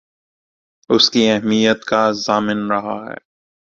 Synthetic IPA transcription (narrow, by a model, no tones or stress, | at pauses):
ʊskiɛɦmijət̪kazaːmɪnɾɐɦa̰ɦɛ̰ː